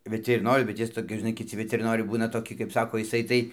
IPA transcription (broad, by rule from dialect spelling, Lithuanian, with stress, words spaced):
ʋʲɪtʲɪrʲɪˈnoːrʲʊ bʲɛt ˈjɪs toːˈkʲɪs ʒʲɪˈnɐɪ kʲɪˈt͡sʲɪ ʋʲɪtʲɪrʲɪˈnoːrʲɛɪ ˈbuːnɐ toːˈkʲɪ kɐɪp ˈsɑːkoː ɪˈsɐɪ tɐɪ